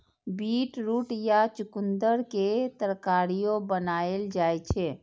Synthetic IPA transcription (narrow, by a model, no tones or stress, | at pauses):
biʈɾuːʈjat͡ʃʊkund̪əɾket̪əɾkaɾijobənaeld͡ʒajt͡ʃʰɛ